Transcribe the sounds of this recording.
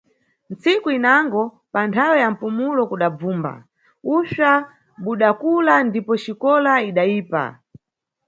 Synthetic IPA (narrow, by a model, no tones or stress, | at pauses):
n̩t͡sikuinaŋɡɔ | pantʰawɛjam̩pumulɔkuɗab͡vuːmba̰ | uʃa | ɓuɗakulandipɔt͡ʃikɔlaiɗaiːpa̰